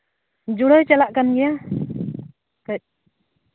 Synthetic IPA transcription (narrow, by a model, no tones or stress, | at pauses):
d͡ʒuɽəjt͡ʃɛlaʔkanɡɛja | kəc̚